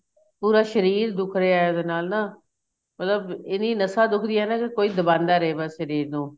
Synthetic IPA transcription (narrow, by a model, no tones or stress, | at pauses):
puːɾaːʃəɾiːɾd̪ʊkʰɾeːaːjad̪eːnaːlnaː | mət̪ləbɪniːnəsãːd̪ʊkʰd̪iːɛːnaːkɪkoːiːd̪əbãːnd̪aːɾeeːbaːʃəɾiːɾnũː